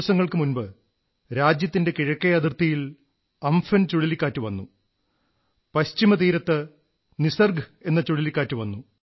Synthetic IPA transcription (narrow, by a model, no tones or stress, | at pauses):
ɐsɐŋːɐɭkɨmunbɨ | ɾaːd͡ʑjɐt̪ːinde̞kiɻɐkːɐjɐd̪irt̪ɐjil | ɐmfɐnt͡ɕuɻilikʲːaːtːɨʋɐnːu | pɐɕt͡ɕimɐt̪̬iːɾɐt̪ːɨ | nisɐrɡe̞nːɐt͡ɕuɻilikʲːaːtːuʋɐnːu